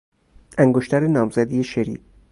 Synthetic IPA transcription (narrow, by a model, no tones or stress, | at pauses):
ʔæŋɡoʃt̪ʰæɾenɒːmzæd̪ijeʃeɾḭː